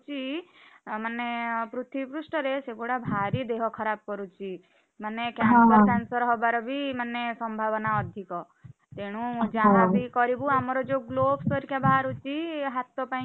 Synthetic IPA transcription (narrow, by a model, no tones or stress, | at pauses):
t͡ʃi | manːepɾut̪ʰipɾusʈɔɾeseɡoɽabʱaɾid̪eɦɔkʰɔɾab̚kɔɾut͡ʃi | manːekjasɔkansɔɾɦɔbaɾɔbʱimanːesɔmbʱaʋɔnaɔd̪ʱikɔ | t̪eɽ̃ũud͡ʒaãbikɔɾibuamɔɾɔd͡ʒoɡlobsɔɾikjabaɦaɾut͡ʃiɦat̪ːɔpã